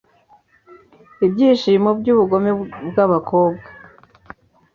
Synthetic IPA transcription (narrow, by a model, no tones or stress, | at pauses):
ibɟiːʃiːmobɟuːβuɡo̞mebɡaβako̞ːbɡa